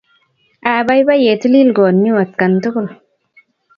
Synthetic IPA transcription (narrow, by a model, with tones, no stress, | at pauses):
aː˨ba˦jba˦je˨ti˦li˦lɡoː˨i˦wa˨t̪̚ka˨ntu˦kʊ˦˨l